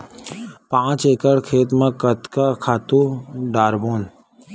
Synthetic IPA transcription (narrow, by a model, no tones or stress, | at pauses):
pãːt͡ʃeːkəɽkʰeːt̪mãkət̪kakʰaːt̪ũɖaːɾboːn